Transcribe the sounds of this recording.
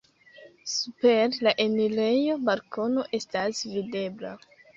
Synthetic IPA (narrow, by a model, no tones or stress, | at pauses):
supeɾlaʔenile̞jo̞balko̞no̞ʔe̞stasvide̞bla